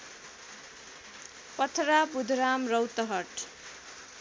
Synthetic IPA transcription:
pʌt̪ʰɾabud̪ʱɾamrʌwt̪ʌɦʌʈ

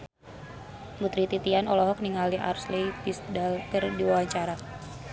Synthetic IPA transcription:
ɡut̪ɾit̪it̪ianɔlɔɦɔk̚niŋaliʔa̰rslejpisdalkərdiwawaɲt͡ʃaɾa

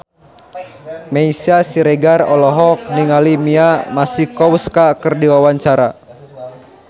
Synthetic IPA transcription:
mɛisiasiɾɛɡarɔlɔɦɔk̚niŋalimiamasikɔwskakɨrdiwawaɲt͡ʃaɾa̰

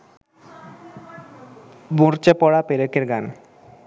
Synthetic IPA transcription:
boɾt͡ɕepɔɽapeɾekeɾɡan

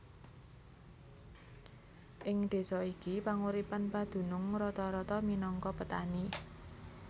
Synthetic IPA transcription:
ʔɪŋd̪̥e̤sɔikipaŋuɾipanpad̪̥ṳnʊŋɾɔt̪ɔɾɔt̪ɔminɔŋkɔpət̪ani

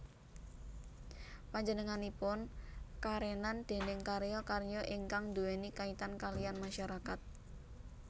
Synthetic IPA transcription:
paɲd͡ʒənəŋanipʊnkaɾenand̪̥e̤nɪŋkaɾjɔkarjɔʔiŋkaŋd̪uwenikait̪ankalijanmaʃaɾakat̪̚

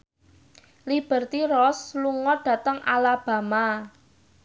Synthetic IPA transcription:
lib̥ə̤rt̪irɔsluŋɔɖ̥ä̤t̪əŋʔa̰lab̥a̤ma

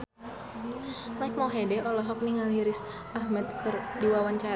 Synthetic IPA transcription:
maik̚mɔɦɛdɛʔɔlɔɦɔk̚niŋaliɾɪs | ʔahmat̪̚kɨrdiwawaɲt͡ʃaɾ

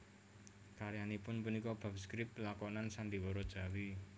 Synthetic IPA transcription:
kaɾjanipʊnpunikɔb̥a̤pskɾɪpplakɔnansand̪iwɔɾɔd̥ʒ̥a̤wi

